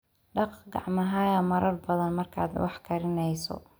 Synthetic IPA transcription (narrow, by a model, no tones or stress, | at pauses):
ɖɑqɡɑ̰ʕmɐɦaːjɐmɐɾɐrbɐðɐnmɐrkʰaːd̪wɑ̰ħkʰɐɾɪnɛjsɔ̰